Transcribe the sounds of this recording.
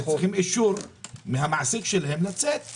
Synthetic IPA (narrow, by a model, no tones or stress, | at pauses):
χimʔiʃuɾmɪhamaʕsikʃelaɦemlat͡set̪̚